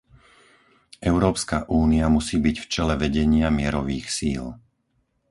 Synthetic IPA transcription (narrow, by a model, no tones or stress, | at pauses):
ʔɛʊɾɔːpskaʔuːniamusiːbiɟft͡ʃɛlɛʋɛɟɛɲɪamɪɛɾɔʋiːxsiːl